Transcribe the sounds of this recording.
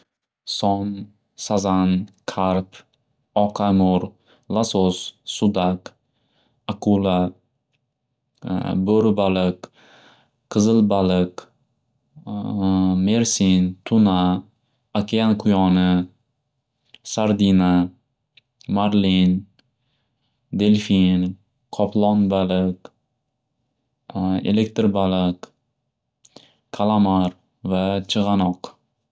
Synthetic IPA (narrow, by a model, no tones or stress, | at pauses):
sɒn | sazankʰaɾp | ɒqʰamʊɾ | lasosːʊd̪ak | akʰula | bɵɾbalɪq | qʰɨzɨlbalɪk | meɾsint̪ʰʊnaː | kʰʲeanqʰʊjɒnɪ | saɾd̪ina | maɾlin | d̪e̞lfin | qʰɒplˠɒnbalɪk | e̞̰lek̚t̪ɾbalɪq | kʰːalˠamaɾ | vat͡ʃʰɨʁɑnɒq